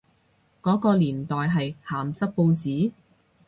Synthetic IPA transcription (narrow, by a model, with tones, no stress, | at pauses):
kɔː˨˥kɔː˧liː˨˩nt̪ɔː˨jɦɐ˨jhaː˨˩msɐ˥k̚po˧wt͡siː˨˥